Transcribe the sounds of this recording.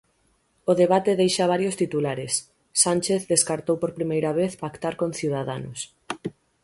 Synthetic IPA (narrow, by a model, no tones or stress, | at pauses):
oðeβat̪eðejʃaβaɾjost̪it̪ulaɾesː | ant͡ʃeθðeskaɾt̪owpoɾpɾimejɾaβ̞eθpakt̪aɾkõnθiwð̞aðanʊ̰s